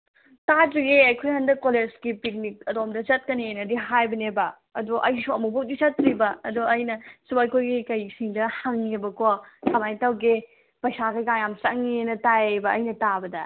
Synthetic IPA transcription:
tatɾiɡeɐjkʰojhandɐkoled͡ʒɡipik̚nik̚ɐdomdɐt͡ʃɐt̚kɐninɐdiɦajbɐnebɐ | ɐduʔɐjsuɐmubok̚dit͡ʃɐtɾibɐːduɐjnɐsubajkʰojɡikɐjsiŋdɐhaŋebɐkokʰɐmajtawɡe | pɐjsaɡɐɡaŋjamt͡ʃɐŋienɐtajbɐɐjnɐtabɐdɐ

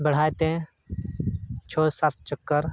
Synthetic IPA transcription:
bəɽ̤aːjt̪ẽ | t͡ʃʰoːsaɾt̪̚ʰt͡ʃəkːəɾ

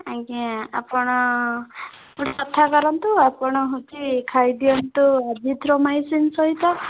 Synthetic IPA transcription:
aɡia̰pɔɽ̃ɔ | uʈɔt̪ʰakɔɾɔnt̪uapɔɽ̃ɔɦot͡ʃʰikʰajd̪iɔnt̪uadʱid̪ʱɾɔmajsinsɔɦit̪ɔ

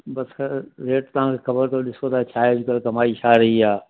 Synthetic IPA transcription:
bɐsɾeːʈt̪ɐɦãːkʰeːxɐbəɾt̪oɗɪsot̪aːt͡ʃʰaːed͡ʒɪkəlkɐmaːiʃʰaːɾɐɦiaː

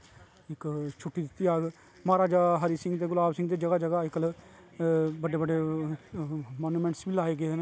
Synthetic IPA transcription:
ɪkt͡ʃʰʊʈːiːd̪ɪt̪ːiːaːɡ | maːɾaːd͡ʒaːɦəɾiːsɪ̃ŋɡt̪eːɡʊlaːbsɪ̃ŋɡd̪eːd͡ʒəɡaːd͡ʒəɡaːɪkl | bəɖeːbəɖeː | maːnuːmɛ̃ɳʈsbiːlaːeːɡeːd̪ːnː

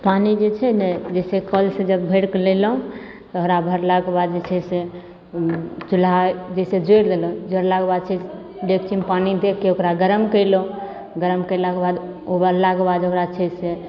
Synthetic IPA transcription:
panid͡ʒet͡ʃʰɛnɛd͡ʒesekəlsẽd͡ʒəbʱeɽkleləɦũ | t̪ʊɾabʱəɾlakebad̪̚d͡ʒet͡ʃʰɛse | t͡ʃulad͡ʒesed͡ʒoɾd̪eləũd͡ʒəɾlakebad̪̚t͡ʃʰɛ | ɖek̚t͡ʃʰimpanid̪ekːeokɾaɡəɾəmkəɪlõ | ɡəɾəmkəlakebad̪ | obaɾlakebad̪okɾat͡ʃʰɛse

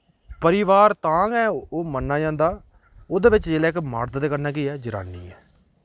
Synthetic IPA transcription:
pəɾɪʋaːɾt̪ãːŋɛːoːmənːãːd͡ʒãːnd̪aː | oːd̪eːʋɪt͡ʃd͡ʒeːlɛːɪkma̰ːɾt̪d̪eːkəɾnaːkiɛːd͡ʒəɾa̰ːnːḭːɛː

